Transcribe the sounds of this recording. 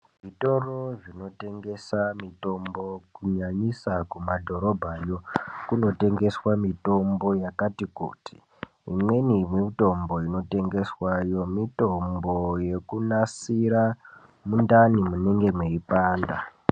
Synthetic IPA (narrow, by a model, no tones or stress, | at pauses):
ʐito̞ro̞ʐino̞te̞ŋɡe̞samito̞mbo̞kuɲaɲisakumadʱo̞ɾo̞bʱajo̞kuno̞te̞ŋɡe̞swamito̞mbo̞jakatikṵti̥ː | mwe̞nimito̞mbo̞ino̞te̞ŋɡe̞swajo̞mito̞mbo̞je̞kunasiɾa | mundanimuniŋɡe̞mweipaːnda